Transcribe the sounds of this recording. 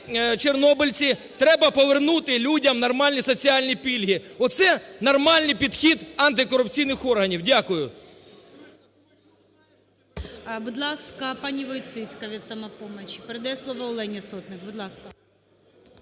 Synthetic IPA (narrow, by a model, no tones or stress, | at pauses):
t͡ʃernɔbɪlʲt͡sʲi | t̪ɾɛbɐpɔʋernut̪ɪlʲudʲɐmnɐrmɑlʲnʲisɔt͡sʲiɑlʲnʲipʲilʲɦiɔt̪sɛnɐrmɑlʲnɪjpʲid̪xʲid̪ɐnt̪ɪkɔɾʊpt͡sʲijnɪxɔrɦɐnʲiwdʲakʊjʊ | bʊd̪lˠɑskɐpɑnʲiʋɔjt̪sɪt͡sʲkɐʋʲit̪sɐmɐpɔmɐt͡ʃpeɾed̪ɐjɛslˠɔʋɐʊlˠɛnʲisɔt̪nɪkbʊd̪lˠɑskɐ